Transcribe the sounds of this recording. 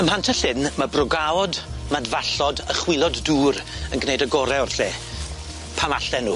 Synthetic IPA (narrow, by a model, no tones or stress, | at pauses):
əmhantʰəɬɪnmabrɔɡaɔdmadvaɬɔdəχwɪlˠɔdːuːɾ | ənɡnejdəɡɔɾɛɔrɬeː | pʰamaɬɛnuː